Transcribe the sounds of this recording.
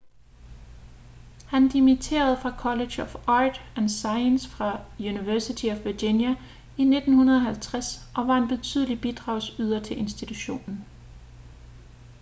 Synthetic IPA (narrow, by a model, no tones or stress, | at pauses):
hænd̥imit͡sʰe̝̰ːɐð̞̩ˠfʁɑ̈kʰɒ̽le̥ɕɒfɑːd̥ænsɑ̈ɪənsfʁɑ̈juniʋæɐsit͡sʰiɒfʋɐd̥injæ | ine̝d̥n̩hunɐð̞ˠɒɦælt͡sʰʁasʔɒ̽ʋɑ̈e̝nb̥e̝t͡sʰyð̞̰ˠlib̥id̥ʁɑ̈ʊ̰syð̞ˠɐt͡sʰe̝lʔe̝nsd̥it͡sʰuɕo̝̰ːnn̩